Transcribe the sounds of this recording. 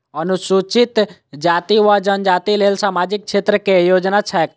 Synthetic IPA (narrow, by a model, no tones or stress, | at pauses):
ənusut͡ʃit̪d͡ʒat̪iʋad͡ʒənd͡ʒat̪ilelsaːmad͡ʒik̚t͡ʃʰet̪ɾəkejod͡ʒnat͡ʃʰɛk